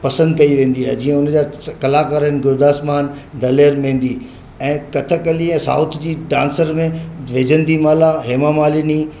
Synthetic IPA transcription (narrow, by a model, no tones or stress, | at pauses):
pɐsə̃nd̪kɐiʋẽːn̆d̪iaːɦɪd͡ʑiːə̃ʊnd͡ʑaːkɐlaːkaːɾənɪ̆ɡʊɾd̪aːsmaːnd̪ɐleːɾmẽːn̆d̪i | ɛ̃ːkɐt̪ʰəkɐliɛ̃ːsa̰ːʊt̪ʰd͡ʑiːɖã̰ːnsəɾmẽʋed͡ʑə̃nd̪imaːlaɦeːmamaːlini